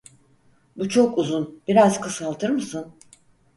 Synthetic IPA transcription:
but͡ʃʰo̞kuzunb̥iɾazkʰɯsalˠt̪ʰɯɾmɯsɯn

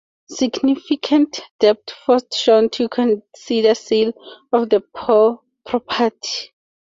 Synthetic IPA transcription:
siɡnifikʰãntd̥ɛp̚tfɔstʃɔ̃ntʰukʰɔ̃nsidəsilɔfðəpʰɔ | pʰɹɔpʰatʰi̥

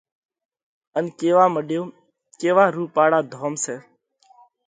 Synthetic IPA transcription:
ənkeːʋaːməɗjoː | keːʋaːɾuːpaːɽaːd̪ʱoːmseː

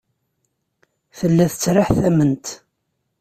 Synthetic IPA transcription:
θəlːæθə̥t͡sːɾaħθæmənt̪

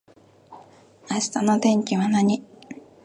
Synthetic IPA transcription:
aɕi̥t̪anot̪ẽ̞ŋkʲiβanaɲ̟i

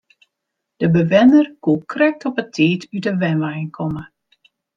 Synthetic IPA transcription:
d̥əbəʋɪnərkukʰrɛk̚tɔpətʰiːtʰydəʋɛnʋajnkʰɔmə

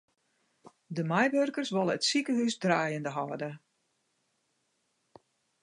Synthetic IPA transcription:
dəmɛjʋørkərsʋɔlˠəətsikəɦysdraːjəndəɦɔːdə

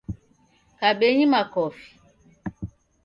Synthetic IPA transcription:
kaɓeɲimakɔfi̥

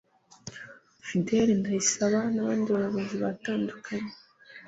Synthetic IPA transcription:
fideɾindajisaβanaβaːndiβajoβoziβataːndukʰaɲe

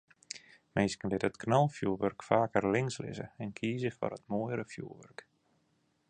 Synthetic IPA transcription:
mɪjskəndɪthətknɔlˠfjuːʋørkfaːkərlɪŋslɪ̰zə̰ɛnkʰiːzəfɔ̰rətmojəɾəfjṵːʋø̰rk

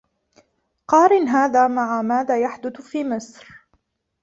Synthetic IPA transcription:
qɑːɾɪnɦaːðaːmaʕamaːðaːjaħd̪ʊθfiːmɪsɾ

